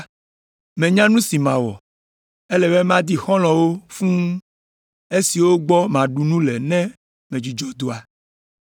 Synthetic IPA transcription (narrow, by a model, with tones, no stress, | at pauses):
mɛ̃˨ɲã˦nũ˦si˨mã˨wɔ̰˨ | e˦lɛ˨βe˦m˦ã˦d̪i˦xɔ̃˦l̃ɔ̃˨wo˦fũ˦ | e˦si˨wo˦ɡ͡bɔ˦mã˨ɖu˨nũ˦lɛ˨nɛ̃˦ | mɛ̃˨d͡ʒi˨d͡ʒɔ˦d̪o˨a˨